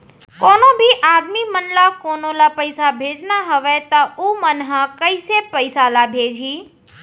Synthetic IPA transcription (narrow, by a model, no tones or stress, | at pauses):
koːnobʱiʔad̪mimənlakonolapəɪsabʱed͡ʒnaɦəʋɛt̪ɔumənɦə̃kəɪsepəɪsalabʱed͡ʒʱi